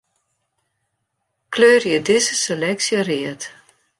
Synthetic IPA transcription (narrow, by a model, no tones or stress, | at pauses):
kløːrjədɪzəselɛksjəriət